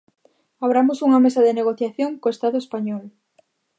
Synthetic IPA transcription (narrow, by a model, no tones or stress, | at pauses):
aβɾamosuŋamesaðeneɣ̞oθjaθjoŋkoest̪aðoespaɲɔl